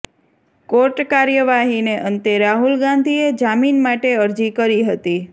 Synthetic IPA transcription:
koɾʈkaɾjəʋaɦineʔənt̪eɾaɦulɡãnd̪ʱied͡ʒaminmaʈeəɾd͡ʒikəɾiɦət̪i

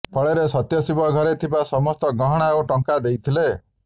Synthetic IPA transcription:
pʰɔɭeɾesɔt̪jɔsibɔɡʱɔɾet̪ʰibasɔmɔst̪ɔɡɔɦɔɽ̃aoʈɔŋkad̪ejt̪ʰile

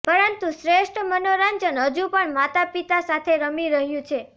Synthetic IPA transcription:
pəɾənt̪usɾeʃʈʰəmənoɾaɲd͡ʒənɦəd͡ʒũpəɳmat̪apit̪asat̪ʰeɾəmiɾəɦjũt͡ʃʰe

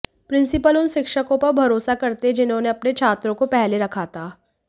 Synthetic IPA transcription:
pɾɪ̃nsɪpəlʊnʃɪkʃəkõpɐɾbʱɐɾoːsakɐɾt̪ed͡ʒɪnɦõneɐpnet͡ʃʰaːt̪ɾõkopɛɦleɾɐkʰaːt̪aː

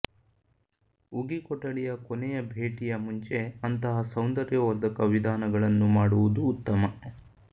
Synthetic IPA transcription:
uɡikɔʈːɐɽijɐkonɛjɐbʱe̞ːʈijɐmuɲt͡ʃe̞ɐnt̪ɐɦɐsɐwnd̪ɐɾjɐʋɐɾd̪ɐkɐʋid̪ʱaːnɐɡɐɭɐnːumaːɽuʋud̪uːt̪ːɐmɐ

